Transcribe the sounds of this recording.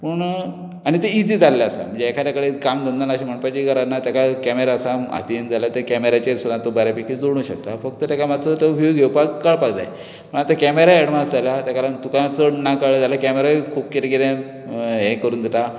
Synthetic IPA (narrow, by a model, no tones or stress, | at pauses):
pəɳ | aɽ̃it̪eid͡ziːd͡zalːaasa̰m̤ə̃ɳd͡zeːkʰaɾjakəɭekamd̪ənd̪ənaɕim̤əɳpat͡ɕikəɾanat̪jakakɛmeɾaːsaa̰t̪ind͡zalat̪ekɛmeɾat͡ɕeɾsulãnt̪obəɾapikʰid͡zoɽɽ̃ũːɕək̚t̪afək̚t̪ət̪jakamadt͡sət̪əbʱijoɡewpaɡkəɭpaɡd͡za̰j | pəɳat̪akɛmeɾaɛɽmasd͡zaljat̪akalant̪ukaat͡sənakaɭəd͡zalakɛmeɾakʰuːbket̪eɡeɾan | ɦekəɾuːnd̪et̪a